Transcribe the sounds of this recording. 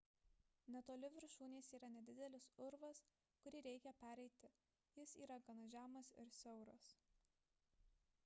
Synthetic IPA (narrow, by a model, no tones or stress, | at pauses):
nʲɛt̪oːlʲɪʋʲɪɾʃuːnʲeːsiːɾɐnʲɛd̪ʲɪd̪ʲɛlʲɪsʊɾʋɐs | kʊɾʲiːɾʲɛɪkʲɛpʲæːɾʲɛɪt̪ʲɪ | jɪsiːɾɐɡɐnoʒʲæːmɐsɪɾsʲɛʊɾɐs